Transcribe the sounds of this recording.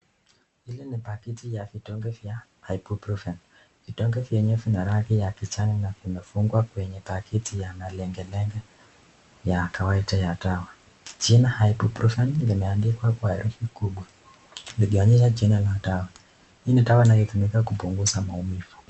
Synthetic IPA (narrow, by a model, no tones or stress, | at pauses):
hilinipakitijavitɔŋɡɛvjahaipupɾɔfɛn | vitɔŋɡɛvjɛɲɛfinaɾakijakit͡ʃaninavimɛfuŋɡwakwɛɲɛpakʰitijanalɛŋɡɛlɛŋɡɛ | jakawaitajatawa | t͡ʃinahajipupɾufanlimɛandikwakuaɛɾufikuɓwa | liʄiwaɲɛʃ̬at͡ʃinalatawa | initawainalɔtumikakupuŋɡuzamaumifu̥